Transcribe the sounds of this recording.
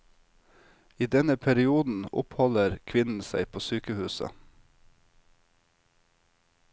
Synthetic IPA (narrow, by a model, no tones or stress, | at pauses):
iːd̪ɛnəpʰæɾɪuːd̪n̩ʊ̰phɔləɾkʰʋɪnn̩sæ̰ɪpʰoːsyːkəhʉːsə̰